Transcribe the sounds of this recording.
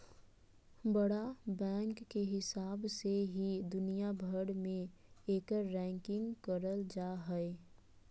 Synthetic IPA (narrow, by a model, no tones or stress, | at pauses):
bəɽabɛ̃ːŋkːeɦɪsaːbseɦid̪ʊnijabʱəɽmẽeːkəɾːɛ̃ːŋkɪ̃ŋɡkəɾəld͡ʒaɦɛe